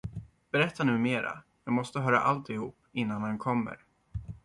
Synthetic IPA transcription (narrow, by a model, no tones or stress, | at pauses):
b̥ɛɾɛt̪ʰːanʉ̟ːmeːɾa̰ | jɑːɡmɔst̪əɦœːɾa̰ʔalt̪ɪhuːpːɪnːanhankʰɔmːə̰ɾ